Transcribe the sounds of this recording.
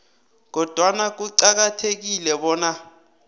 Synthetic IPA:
k̬ɔd̥ʱwanak̬uǀak̬atʰek̬ilɛɓɔːna

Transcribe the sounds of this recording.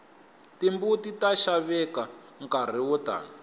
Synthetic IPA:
timbutitaʃaβɛka | ŋkar̤iwɔta̰ːna

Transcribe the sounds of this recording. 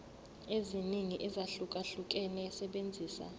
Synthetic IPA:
eziniŋiʔizaɬukʼaɬukʼɛnɛsɛɓend͡zʱiːsa̰

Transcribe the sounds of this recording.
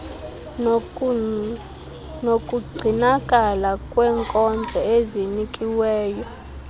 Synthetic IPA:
nokʼuɡ͡ǀʱinakʼalakʼwɛːŋkʼɔnd͡ɮʱɛezinikʼiwɛːjɔ

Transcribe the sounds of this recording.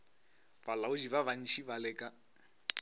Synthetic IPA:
balaʊd͡ʒiβaβan̩t͡ʃʰibalɛːkʼa

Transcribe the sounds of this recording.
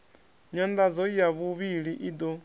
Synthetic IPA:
ɲand̪ad͡zɔijaβuβiɺiʔid̪ɔ

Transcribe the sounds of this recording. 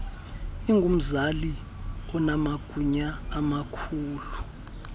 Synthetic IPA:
iŋɡʱum̩zali | ɔnamaɡ̥ʱuɲaːmakʰuːlu

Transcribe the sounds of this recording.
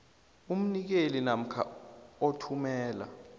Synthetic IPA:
um̩nik̬elinam̩kʰa̰otʰumɛːla̰

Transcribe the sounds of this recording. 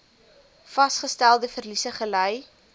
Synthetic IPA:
fɐsχəstælˠdəfərlisəχələj

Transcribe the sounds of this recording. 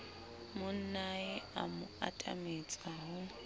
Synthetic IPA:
mʊn̩naɪamʊa̰tʼa̰met͡sʼaɦʊ

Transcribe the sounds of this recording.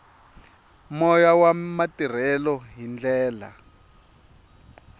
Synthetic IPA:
mɔjawamatir̤ɛlɔɦind͡ɮɛːla̰

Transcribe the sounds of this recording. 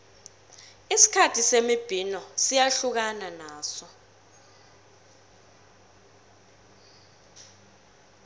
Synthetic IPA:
isi̥kʰatʰisemib̥ʱinɔsijaɬuk̬ananaːsɔ

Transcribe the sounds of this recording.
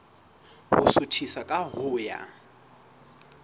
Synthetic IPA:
hʊsʊtʰisakʼaɦʊːja̰

